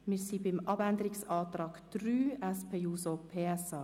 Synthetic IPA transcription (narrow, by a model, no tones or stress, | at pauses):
mɪsibɪmʔɑbænd̪əɾɪksɑːt̪ɾɑːɡ̥d̥ɾyːɛspʰeːuːsopʰeːɛsɑː